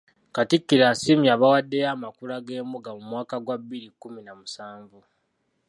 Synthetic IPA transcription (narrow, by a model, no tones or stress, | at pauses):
katikːiɾasimiaːβawadːe̞jaːmakulaɡe̞ːmuɡamumwaːkaɡwaβːiɾikːuminamusaːɱvu